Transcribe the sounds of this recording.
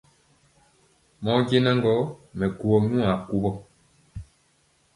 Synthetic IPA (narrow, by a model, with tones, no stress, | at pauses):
mɔ˦ɟe˦nɛ˦ŋɡɔ˦mɛ˨ku˨ɔ˨nũ˦a˨ku˦bɔ˦